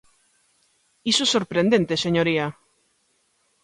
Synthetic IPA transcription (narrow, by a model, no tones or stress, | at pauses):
isosoɾpɾend̪ent̪eseɲoɾia